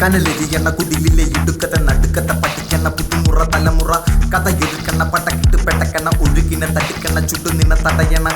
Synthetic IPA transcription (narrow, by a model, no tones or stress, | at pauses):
kɐnɐleɾijɐnːɐkuðilːileiʈukːɐðɐnɐɽɯkːɐt̪ːɐpɐʈːikːɐɳːɐput̪ːimurɐt̪ɐlɐmurɐkɐðɐjeɾɯkːɐɳːɐpɐʈːɐkɐʈːɯpɛʈːɐkːɐɳːɐʔoɽikːinɐt̪ɐʈːɯkːɐɳːɐt͡ʃuʈːund̪inːɐt̪ɐʈːɐjɐɳːɐ